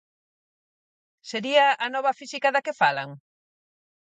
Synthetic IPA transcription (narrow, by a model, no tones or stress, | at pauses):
seɾiaanɔβɐfisikɐðɐkefalɐ̰ŋ